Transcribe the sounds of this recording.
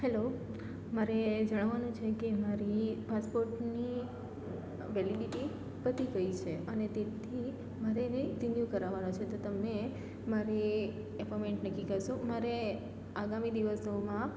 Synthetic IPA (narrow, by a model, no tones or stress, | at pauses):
helo | maɾed͡ʒəɽ̃ʋanũt͡ʃʰekemaɾipaspoɾʈni | ʋɛliɖiʈi | pət̪iɡəit͡ʃʰeənet̪et̪ʰi | maɾenezinjukəɾaʋanot͡ʃʰet̪ot̪əme | maɾi | epomeɳʈnəkːikəɾʃomaɾe | aɡamid̪iʋəsomã